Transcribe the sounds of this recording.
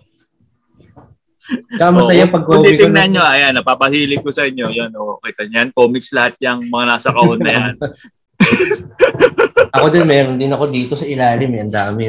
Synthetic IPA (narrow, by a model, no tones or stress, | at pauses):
t͡ʃaamɐsɐjapɐɡ̚koːt̪ikt̪ɪŋnɐnɲoʔɐjanːɐpaːpɐhiːlɪkːo̞sɐʔɪɲːo̞jonookɛt̪ɐɲjanko̞ːmɪkslɐhat̪̚ɲɐŋmɐŋanaːsɐkɐʔonːɐjan | ʔɐko̞d̪ɪnmɛːɾond̪ɪnɐko̞d̪iːt̪osɐʔɪlaːlɪmɐjɐnd̪aːmɪ